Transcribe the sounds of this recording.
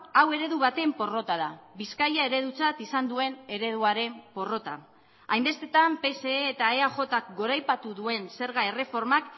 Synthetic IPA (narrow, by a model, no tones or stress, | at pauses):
awe̞ɾe̞ðuβ̞at̪e̞mpo̞ro̞t̪aðaβiskajae̞ɾe̞ðut͡sat̪isand̪ue̞ne̞ɾe̞ð̞uaɾe̞mpo̞ro̞t̪a̰ | ajmbe̞st̪e̞t̪ampe̞se̞ːt̪aeaʝo̞t̪ak̚ɡo̞ɾajpat̪uðue̞nse̞ɾɣae̞re̞fo̞ɾmak